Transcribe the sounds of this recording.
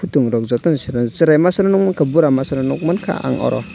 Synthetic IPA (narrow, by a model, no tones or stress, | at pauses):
pʰutuŋɾɔk̚zɔk̚tɔnsɾasiɾajmasaɾanuk̚mankʰabuɾamasaɾanuk̚mankʰa̰a̰ŋɔ̰ɾɔ̰